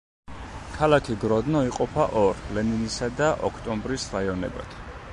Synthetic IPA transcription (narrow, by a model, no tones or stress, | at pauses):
kʰalakʰiɡɾɔd̪nɔiqʼɔpʰaʔɔɾlɛninisad̪aʔɔkʰt̪ʼɔmbɾisɾaiɔnɛ̰ba̰d̪̥ʰ